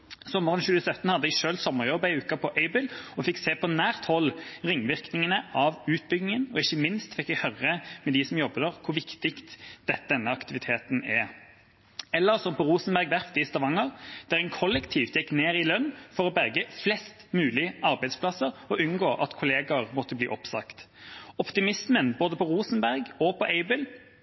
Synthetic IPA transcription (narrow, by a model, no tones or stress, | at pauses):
sɔmːəʁənɕʉːəsœt̪ːnhɑd̪əɪʃøːlt̪sɔmːəʁjɔbːəɪʉːkɑpʰɔʔɛɪbɪlɔfɪkseːpʰɔnæːʁt̪hɔlːʁɪŋːʋɪʁknɪŋənəʔɑʋʉːt̪̚bʏɡnɪŋənɔɪçːəmɪnst̪fɪkːæhœɾəmɛd̪ɪsɔmjɔbːəd̪əʁkʰʊʋɪkt̪ɪkt̪d̪̥ɛt̪ːd̪ɛnːəɑkt̪ɪʋɪt̪ʰeːt̪nɛ | ɛlːəʁsɔmpɔʁuːsnbæʁɡd̪æʁfd̪ɪst̪ɑʋɑŋəʁd̪̥æʁɛnkʰɔlːɛkt̪ʰiːʋt̪jɛkːneːɾɪlœnːfɔɾɔbɛɾɡəflɛst̪mʉːlɪəɑɾbæɪd̪spʰlɑsːəɾɔʉnɡoːʔɑt̪kʰʊleːɡɑɾmɔt̪ːəbliːʔɔpsɑ̰kt̪ | ɔpt̪ɪmɪsmənboːd̪əpʰɔʁuːsən̩bæʁɡɔpʰɔʔɛɪbɪl